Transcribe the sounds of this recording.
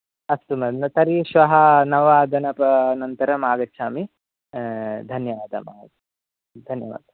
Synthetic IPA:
ɐst̪umɐnɐt̪ɐɾiʃʋɐɦɐnɐʋaːd̪ʱɐnɐpɐnɐnt̪ɐɾɐmaːɡɐːʃʰaːmi | d̪ʱɐnjɐʋaːd̪ʱɐ̰maː | d̪ʱɐnjɐ̰ʋa̰ːd̪ɐ

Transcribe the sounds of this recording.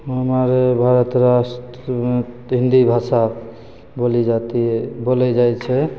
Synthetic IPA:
ɦəmaɾebʱaɾət̪ɾasʈ | me | ɦĩnd̪ibʱasa | bolid͡ʒat̪ibolɛd͡ʒajt͡ʃʰɛ

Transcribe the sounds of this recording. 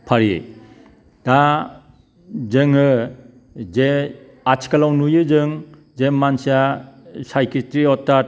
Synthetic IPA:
pʰaɾḭ | d̥a | zɯŋɯ | ze | at͡ʃʰi̥kalawnujɯzɯŋ | zemansiasajkɾitɾiɔtːa

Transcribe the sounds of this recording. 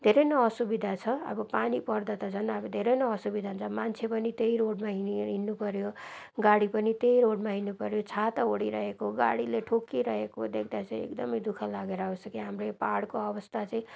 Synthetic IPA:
d̪ʱeɾʌjnʌːsubid̪ʱat͡sʰʌʌ̰bʌpanipʌrd̪at̪ʌt͡sʰʌnʌbʌd̪ʱeɾʌjnʌːsubid̪ʱant͡sʰʌmant͡sʰepʌnit̪eijɾoɽmaɦiɦinːupʌɾjoɡaɽipʌnit̪ejɾoɽmaɦinːupʌɾjot͡sʰat̪ʌoɽiɾʌɦekoɡa̰ɽileʈʰokːiɾʌɦekod̪ek̚ʰd̪at͡sʰʌĩḛkd̪ʌmʌjd̪ukʰʌlaɡeɾʌbʌsʌkiɦamrepaɽkoʌbʌst̪ʰat͡sʌĩ

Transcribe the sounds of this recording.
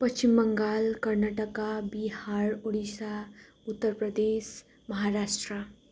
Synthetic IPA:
pəst͡ʃimbəŋɡaːlkəɾnaʈəkabihaɾoɽisa | ut̪ːəɾpɾəd̪es | mɐɦaɾaːsʈɾə

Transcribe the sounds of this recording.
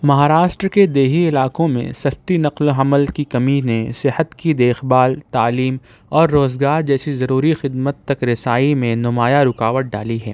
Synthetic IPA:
mɐɦaːɾaːʃʈɾked̪eːɦiɪlaːkõmḛ̃sɐst̪inɐqloɦɐməlkikɐminesɪhət̪kid̪eːxbaːlt̪aːliːm | ɔːɾːoːzɡaːɾd͡ʒɛːsizɐɾuːɾixɪd̪mət̪ːɐkɾɪsaːimẽnʊmaːjaɾʊkaːʋəʈ̪̚ɖa̰ːliɦɛ̰ː

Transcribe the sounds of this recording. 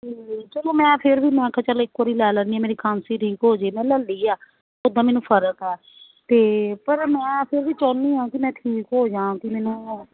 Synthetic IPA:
d͡ʒiːt͡ʃəlõːmɛ̃ːpʰɪɾbiːmɛ̃ːkʰə̃t͡ʃəlɪkːəːɾiːlɛːləniːaːmeːɾiːkʰãːnsiːʈʰiːkɦoːd͡ʒeːmɛ̃ːləlːiːaː | ʊd̪ãːmɛːnũːpʰəɾəkɛː | t̪eːpəɾmɛ̃ːpʰɪɾʋiːt͡ʃɔːnːiːɦãːkɪmɛ̃ːʈʰiːkɦoːd͡ʒãːãkɪmɛːnũː

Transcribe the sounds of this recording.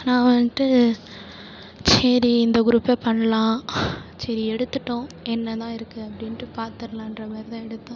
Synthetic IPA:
nãːʋɐnʈːɯ | sɐɾiɪnd̪ɐɡʊɾuːpːepɐɳːɐlãːsɐɾiɛɽɯt̪ːɯʈːõɛnːɐt̪ãːɪɾɯkːɯɐpːɐɽɪnʈːɯpaːɾt̪ɪɾɐlãːɪnɾɐmɐɾðɐ̃ɛɽɯt̪ːãː

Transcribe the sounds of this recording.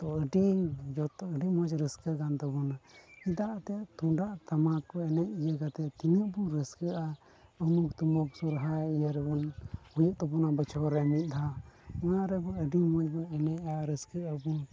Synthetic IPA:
t̪ɔəɖiŋd͡ʒɔt̪ɔəɖimɔd͡ʒɾəskəɡant̪ɔbɔnaid̪aʔt̪ɛt̪uɖaʔt̪amakɔɛnɛʔijəɡat̪ɛt̪inəʔbuɾəskəʔa | əmukt̪umɔksuɾɦaijəɾbɔnhujuʔt̪ɔbɔnabət͡ʃʰɔɾɛmit̪̚ˀd̪aɦaɔnaɾɛbɔəɖimɔt͡ʃbɔɛnɛʔaɾəskəʔabu

